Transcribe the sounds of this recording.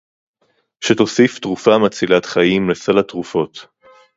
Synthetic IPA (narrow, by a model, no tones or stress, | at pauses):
ʃeto̞sift̪ʁufamat͡silat̪χajimlesalat̪ʁufo̞t̪